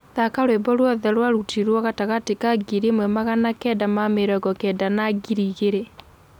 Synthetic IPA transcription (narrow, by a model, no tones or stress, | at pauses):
ðakaɾwebɔɾwɔðɛɾwaɾutiɾwɔɣataɣatikaɡiɾemwɛmaɣanakɛdamameɾɔɣɔkɛːdanaɡiɾiːɣeɾe